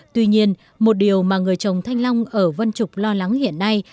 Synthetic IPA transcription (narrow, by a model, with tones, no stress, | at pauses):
t̪wi˧ɲi˧ən | mo˨˩t̚ɗi˨˩əwmaː˨˩ŋɨ˨˩əjt͡ɕə˨˩wŋ͡mt̪ʰa˧jŋ̟la˧wŋ͡mʔəː˧˩və˧nt͡ɕʊ˨˩k͡p̚lɔ˧la˨˦ŋhḭ˧˨ənːa˧j